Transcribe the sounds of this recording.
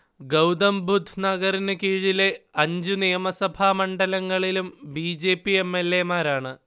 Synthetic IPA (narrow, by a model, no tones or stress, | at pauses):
ɡɐwd̪ɐmbʱud̪ʱnɐɣɐrinɨkiːɻileɐɲd͡ʑunijɐmɐsɐbʱaːmɐɳɖɐlɐŋːɐɭilumbiːd͡ʑeːpːiemːe̞lːemaːɾaːɳɨ